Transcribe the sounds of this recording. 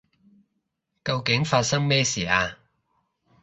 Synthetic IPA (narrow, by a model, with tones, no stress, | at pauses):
kɐ˧wkɪ˨˥ŋfaː˧t̚sɐ˥ŋmɛː˥siː˨aː˧